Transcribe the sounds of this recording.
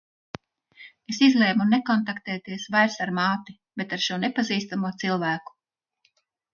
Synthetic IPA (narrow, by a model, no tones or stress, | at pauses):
esizlˠɛːmunekɔnt̪akt̪ɛːt̪iɛsvajɾsaɾmaːt̪i | be̞t̪aɾʃuɔnepaziːst̪amuɔt̪silˠvæːku̥